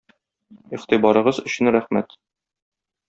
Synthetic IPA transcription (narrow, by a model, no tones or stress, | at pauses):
iʁt̪ibɒɾɤ̆ʁɤzɵ̆ɕɘnɾæχmæt̪